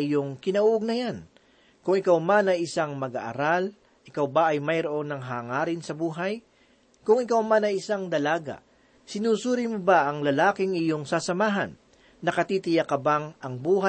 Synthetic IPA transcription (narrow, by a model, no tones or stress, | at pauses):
ɪjoŋkɪnɐʔuːʔoɡ̚nɐjan | kʊŋɪkawmanɐɪsaŋmɐɡaʔɐ̰ɾal | ʔɪkawbɐʔɐjmɐjɾoʔo̞ŋnɐŋɦaːŋaːɾɪnsɐbuːɦɐj | kʊŋɪkawmanɐɪsaŋd̪ɐlaːɡa̰ | sɪnuːsuːɾɪmʊbaʔɐŋlɐlaːkɪŋɪjo̞ŋsasɐmaːɦɐ̰nː | ɐkɐt̪iːt̪ɪjakɐbaŋʔɐŋbuːɦa